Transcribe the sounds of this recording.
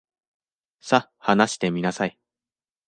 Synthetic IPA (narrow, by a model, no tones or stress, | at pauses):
sa | hanaɕi̥t̪e̞mʲinasai